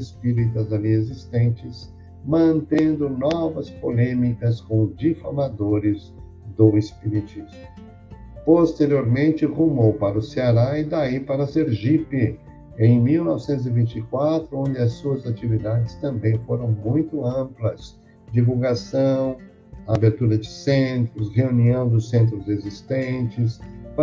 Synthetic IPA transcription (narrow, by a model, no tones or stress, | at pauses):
ɪspiɾit̪ɐzaliezist̪ẽnt͡ʃɪs | mɐ̃nt̪ẽnd̪ʊnɔvɐspolẽmikɐskõd͡ʒifamad̪oɾɪz | d̪ʊespiɾit͡ʃizmʊ | post̪eɾioɾmẽnt͡ʃɪhumowpaɾɐʊseaɾaɪd̪aipaɾɐseɾʒipɪ | ẽj̃miwnɔvɪsẽt̪ʊzɪvĩnt͡ʃikwat̪ɾʊõnd͡ʒɪɐsːuɐzat͡ʃivid̪ad͡ʒɪst̪ɐ̃mbẽj̃foɾɐ̃w̃mũj̃t̪ʊɐ̃mplɐs | d͡ʒivuwɡasɐ̃w̃ | abeɾt̪uɾɐd͡ʒɪsẽnt̪ɾʊsheuniɐ̃w̃d̪ʊsẽnt̪̬ɾʊzezist̪ẽt͡ʃɪs